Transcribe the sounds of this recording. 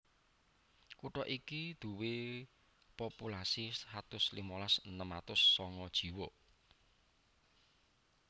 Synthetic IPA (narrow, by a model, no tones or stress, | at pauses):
kuʈɔʔikid̪̥ṳwe | populasishat̪ʊslimɔlasənəmat̪ʊsːɔŋɔd̥ʒ̥i̤wɔ